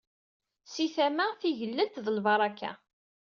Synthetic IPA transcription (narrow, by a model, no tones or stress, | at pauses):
siθæmæθiʝəlːənt̪ðəlvɑɾˤɑkːa̰